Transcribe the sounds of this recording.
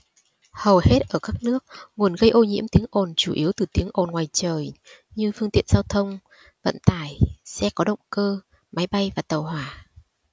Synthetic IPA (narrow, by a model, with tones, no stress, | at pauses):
hə˨˩whe˦˥t̚ʔəː˧˩kaː˦˥k̚nɨ˦˥ək̚ŋu˨˩ənɣə˧jʔo˧ɲḭ˧˥əmt̪i˨˦əŋʔo˨˩nt͡ɕu˧˩ʔi˨˦əwt̪ɨ˨˩t̪i˨˦əŋʔo˨˩nŋwaː˨˩jt͡ɕəː˨˩j | ɲɨ˧fɨ˧ŋt̪ḭ˧˨ənzaː˧wt̪ʰə˧wŋ͡m | və̰˧˨nt̪aː˧˩jsɛ̰˧˥kɔ˨˦ɗə̰˧˨wŋ͡mkəː˧ | ma˨˦jɓa˧jvaː˨˩t̪ə˨˩whwaː˧˩